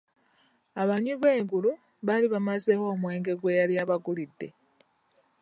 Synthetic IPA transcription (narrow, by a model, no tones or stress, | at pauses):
aβaɲuβe̞ːŋɡulu | βaliβamazewo̞ːmwe̞ːŋɡe̞ɡwe̞jaljaβaɡulidːe̞